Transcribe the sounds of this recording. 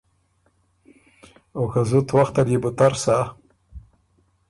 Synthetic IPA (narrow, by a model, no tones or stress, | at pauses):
okazʊt̪waxt̪aɾjebʊt̪aɾsa